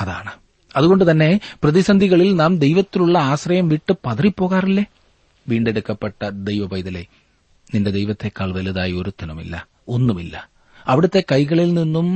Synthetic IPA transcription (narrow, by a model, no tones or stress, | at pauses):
ɐðaːɳɨ | ɐðuɣo̞ɳɖɨt̪ɐnːe̞prɐðisɐnd̪ʱiɣɐɭilnaːmd̪e̞jʋɐt̪ːiluɭːɐaːɕrɐjɐmʋiʈːɨpɐðɐripːo̞ːɣaːrilːeː | ʋiːɳɖe̞ɽukːɐpːeʈːɐd̪ejʋɐbɐjðɐle̞ | ninde̞d̪ejʋɐt̪ːe̞kːaːɭʋɐluðaːjio̞ɾut̪ːɐnumḭlːɐ̰ | o̞nːumilːɐ̰ | ɐʋiɽɐt̪ːe̞kɐjɣɐɭilninːum